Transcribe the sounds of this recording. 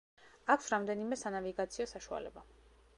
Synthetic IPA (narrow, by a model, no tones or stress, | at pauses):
akʰsɾamd̪ɛnimɛsanaviɡat̪sʰiɔsaʃua̰lɛ̰ba